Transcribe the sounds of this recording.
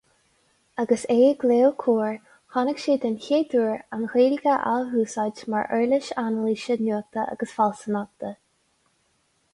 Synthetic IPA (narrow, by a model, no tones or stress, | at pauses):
aɡəseːəɡleːwkʰuːɹ | xɑnəɡʃeːd̪ənçeːd̪uɹanxeːɾiɡəʔa̰lɦuːsad͡ʒma̰ɹʔɛːɹlɪʃanəliːʃənuːk̚t̪əʔa̰ɡəsfalsənak̚t̪ə